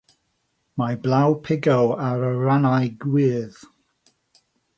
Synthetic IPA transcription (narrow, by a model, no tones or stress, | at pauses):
majblˠawpʰɪɡɔwaɾəɹanajɡwɪːð̥